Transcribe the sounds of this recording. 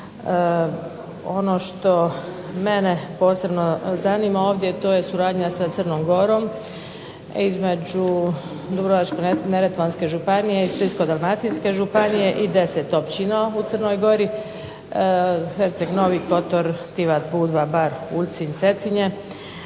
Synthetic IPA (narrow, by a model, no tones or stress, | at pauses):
o̞noʃt̪o̞ | menepo̞ːse̞bnozaniːmao̞ːʋd̪jet̪o̞ːje̞suɾaːd̪ɲasat̪sərnoːmɡo̞ɾo̞ːm | izme̞d͡ʒu | d̪ubɾoʋat͡ʃkeneɾet̪ʋanske̞ʒupanijeizblisko̞d̪almat̪inske̞ʒupanije̞ʔid̪e̞set̪opt͡ɕinaut̪sərnoːjɡo̞ɾi | xeɾt̪seɡno̞ʋiːko̞t̪oɾt̪iʋat̪puːd̪ʋabaɾult̪sinʲt̪se̞t̪iɲe